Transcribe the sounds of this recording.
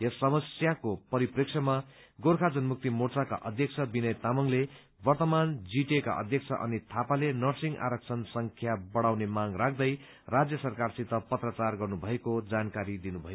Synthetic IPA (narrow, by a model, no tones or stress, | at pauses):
jʌsːʌmʌsjakopʌɾipriksʰʌmaɡorkʰad͡zʌnmuk̚t̪imort͡saka̰ʔʌd̪ʱjʌk̚t͡sʰʌbinʌjt̪amʌŋle | bʌrt̪ʌmand͡ziʈeka̰ʔʌ̰d̪ʱjʌk̚t͡sʰʌʔʌ̰nit̪ʰapalenʌrsiŋɡʔa̰ɾʌk̚t͡sʰʌnsʌŋkʰjabʌɽawnemaŋrak̚ʰd̪ʌj | rad͡zjʌsʌrkarsit̪ʌpʌt̪rʌt͡sarɡʌrnubʱʌekod͡zankaɾid̪inubʱʌjo